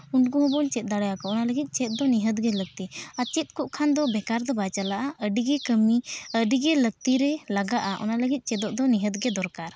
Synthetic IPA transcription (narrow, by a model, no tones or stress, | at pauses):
uɳɖɡuɦɔ̃bɔnt͡ʃɛt̪̚ˀd̪aɽajakɔɔnaləɡit̪̚ˀt͡ʃɛt̪̚d̪ɔniɦəd̪ɡɛləɡ̚t̪iat͡ʃɛt̪̚kuʔkʰand̪ɔbɛkaɾd̪ɔbajt͡ʃalaʔaʔəɖiɡɛkəmiəɖiɡɛləɡ̚t̪iɾɛlaɡaʔaʔɔ̰naləɡit̪̚ˀt͡ʃɛd̪ɔʔd̪ɔniɦət̪ɡɛd̪ɔɾkaɾ